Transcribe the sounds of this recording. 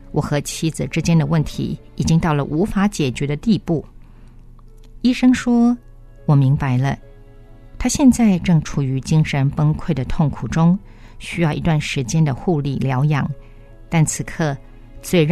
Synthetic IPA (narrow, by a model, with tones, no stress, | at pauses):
wʔɔ˨˩xɤ˧˥t͡ɕʰi˥d͡zɹ̩˨ʈ͡ʂɻ̩˥t͡ɕjɛ˥nd̪ə˨wə˥˩nt̪ʰḭ˧˥ | i˨˩t͡ɕi˥ŋt̪ɑ˥˩ʊlə˩ʔu˧˥fa˧˥t͡ɕjɛ˨˩t͡ɕɥɛ˧˥ɾə˧t̪i˥˧pu˥˩ | i˥ʂɤ˥ŋʂwɔ˥ | wɔ˨˩mi˧˥ŋpa˧˥ɪlə˧ | t̪ʰa˥ɕjɛ˥˧nt͡sa˥˧ɪʈ͡ʂɤ˥˩ŋʈ͡ʂʰu˨˩y˧˥t͡ɕi˥ŋʂə˧˥npə˥ŋkʰwe˥˩ɪd̪ə˩t̪ʰʊ˥˩ŋkʰu˨˩ʈ͡ʂʊ˥ŋ | ɕy˥jɑ˥˩ʊi˧˥t̪wa˥˩nʂɻ̩˧˥t͡ɕjɛ˥nd̪ə˨xu˥˧li˥˩ljɑ˧˥ʊjɑ˨˩˦ŋ | t̪a˥˩nt͡sʰɹ̩˨˩kʰɤ˥˧ | t͡swe˥˩ɪɻ